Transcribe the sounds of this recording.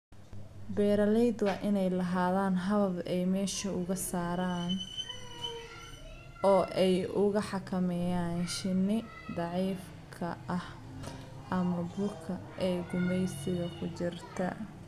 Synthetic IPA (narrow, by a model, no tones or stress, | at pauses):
bɛːɾɐlɛjd̪wɑːʔɪnɛjlɐɦaːðaːnɦɐðɐbɛjmɛːʃɐʊɣɐsaːɾaːn | ʔɔːʔɛjʔʊɣɐħɑkʰɐmɛjaːnʃɪnɪ | d̪ɑʕiːf | kʰɐʔɐh | ʔɐmɐbʊlkʰɐʔɛːɡʊmɛjsɪɣɐkʰʊt͡ʃɪrt̪ʰɐ̰